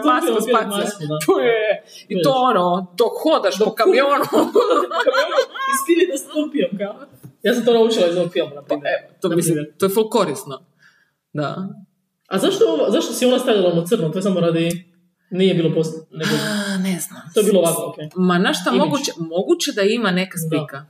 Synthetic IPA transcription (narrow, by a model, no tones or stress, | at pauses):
t̪aspiamiamaskud̪aoje | it̪oonot̪oxod̪aʃokamionu | kamonuiskiɾid̪ast̪umpiamkamajaːs̬amt̪onaut͡ʃilˠaizookfilˠmanapaɛt̪onmislit̪oɛfolkoɾisno | d̪a̰ | azaʃt̪ooʋazaʃt̪osionast̪avjalanot̪srnot̪osamoɾad̪i | nijɛbiːlˠoposneɡɡoneznamt̪ojebiloʋakookemanaʃt̪amoɡut͡ɕemoɡut͡ɕed̪aimanekasika